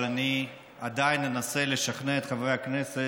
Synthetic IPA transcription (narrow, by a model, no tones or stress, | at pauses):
lani | ad̪ainːe̞nase̞le̞ʃaχneet̪χavʁejakne̞se